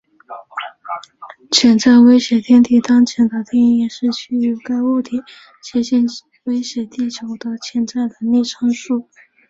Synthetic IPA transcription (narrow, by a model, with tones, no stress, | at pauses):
t͡ɕʰjɛ˧˥nt͡sa˥˩ɪwe˥ɪɕjɛ˨˩t̪ʰjɛ˥nt̪ʰi˥˩t̪ɑ˥ŋt͡ɕʰjɛ˧˥nd̪ə˧t̪ʰjɛ˥n˥˧jɛ˨˩ʂɻ̩˥˧t͡ɕʰy˥˩y˧˩ka˥ɪwu˥˩t̪ʰi˨˩˦ | t͡ɕʰɛ˧˥ɕɛ˥˩n | we˥ɪɕjɛ˧˩˥t̪i˥˩t͡ɕjo˨˩ʊd̪ə˧t͡ɕʰjɛ˨˧˥nt͡sa˥˩ɪd̪ə˩ni˥˩ʈ͡ʂʰɑ˥ŋʂu˥˩